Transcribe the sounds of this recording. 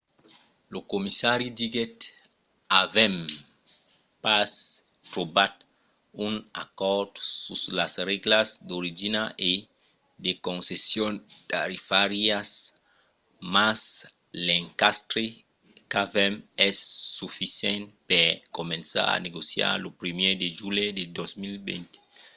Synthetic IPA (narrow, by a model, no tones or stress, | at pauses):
lokomisaɾjud̪iɡet̪ | avɛm | pas | t̪ɾobat̪ | una̰kɔɾd̪suslasreɡlasd̪oɾid͡ʒinaʔe | d̪ekõnsesjont̪aɾifaɾias | mas | lẽŋkast̪ɾe | kavɛmɛsːufisjɛ̃nt̪pekomẽnsa̰ɾa̰neɡosja̰ɾlopɾimed̪eʒuled̪ed̪osmilbḛ̃nt̪e̥